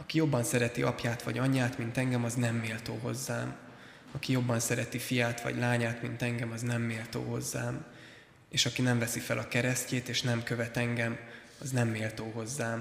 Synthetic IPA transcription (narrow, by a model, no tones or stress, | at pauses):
ɒkijo̞bːɒnsɛɾɛt̪iɒpjaːt̪ʋɒ̰ɟɒɲːaːt̪mint̪ɛŋɡɛmɒznɛmːeːlt̪o̰ːɦo̞zːaːm | ɒkijo̞bːɒnsɛɾɛt̪ifijaːt̪ʋɒ̰ɟlaːɲaːt̪mint̪ɛŋɡɛmɒznɛmːeːlt̪o̰ːɦo̞zːaːm | eːʃɒkinɛɱvɛsifɛlʔɒkɛɾɛsceːt̪eːʃnɛmkø̞vɛt̪ɛŋɡɛm | ɒznɛmːeːlt̪oːɦo̞zːaːm